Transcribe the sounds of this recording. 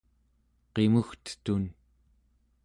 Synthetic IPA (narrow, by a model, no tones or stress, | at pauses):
qe̞muxt̪ə̥t̪un